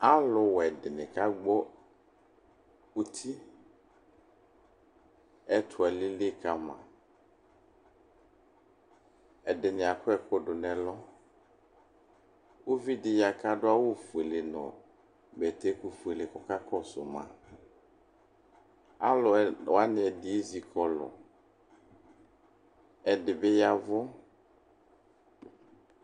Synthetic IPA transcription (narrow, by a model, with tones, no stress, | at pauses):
a˦lʊ˨wɛ˨dɪ˨nɪ̃˨ka˦ɡ͡bɔ˦ | u˦t̪ʰi˦ | ɛ˦tʰʊ˨ɛ˨lɪ˦lɪ˦ka˦mã̰˨ | ɛ˨dɪ˨nɪ̃˨a˨kʊ˦ɛ˦˨kʰʊ˦dʊ˨nɛ̃˨lɔ˦ | wo˦vi˦dɪ˨ja˨ka˦dʊ˦a˦wo˦fu˨e˨lɪ˨nɔ̰̃˨ | bɛ˨t̪e˦ku˨fu˨e˨lɪ˨kɔ˨ka˦kɔ˦sʊ̰˨mã̰˨ | a˦lɔ˨wa˦nɪ˨ɛ˨dɪ˨e˦zi˨kʰɔ˦lɔ̰˨ | ɛ˨dɪ˨bɪ˦ja˨vʊ˦